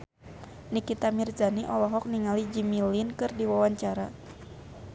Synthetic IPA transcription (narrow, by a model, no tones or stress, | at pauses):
nikit̪amirzaniʔɔlɔɦɔk̚niŋalid͡ʒimilinkɨrdiwawaɲt͡ʃaɾa